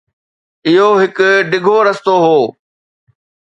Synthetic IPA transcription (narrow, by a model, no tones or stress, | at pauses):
ɪɦoɦɪkʊɖɪɡʱoɾɐst̪oɦoː